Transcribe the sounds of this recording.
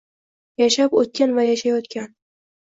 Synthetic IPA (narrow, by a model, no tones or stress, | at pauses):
jaʃapot̪̚kʲanvajaʃajɒt̪kʲan